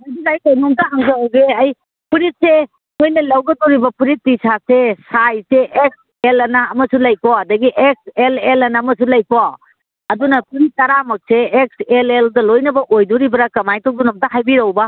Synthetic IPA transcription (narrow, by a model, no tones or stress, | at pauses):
ajdizajkawnɔmtɐɦaŋzawɡeɐj | pʰiɾit̚se | kʰojnɐlɐwɡɐdɔɾibɐpʰiɾitːisasesajseʔek̚s | elɐnɐːmɐsulɐjkwaɐdɐɡiʔek̚selelɐnɐmɐsulɐjka | ɐdunɐpʰiɾit̚tːɐɾamɐk̚seːk̚seleldɐlojnɐbɐʔojduɾibɐɾɐkɐmajtok̚dunɐmtaɦajbiɾɐwbɐ